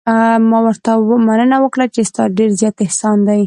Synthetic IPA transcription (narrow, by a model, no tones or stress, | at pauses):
mɑwəɾt̪awəmanənawəkɽat͡ʃest̪ɑɖeɾzjɑt̪ɪhsɑnd̪aj